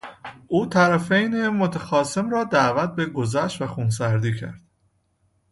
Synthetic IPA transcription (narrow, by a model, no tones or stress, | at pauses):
ʔuːt̪ʰæɾæfejnemot̪ʰæxɒːse̞mɾɒːd̪æːvæt̪̚be̞ɡo̞zæʃtvæxuns̬æɾd̪iːcʰæ̰ɾd̪̥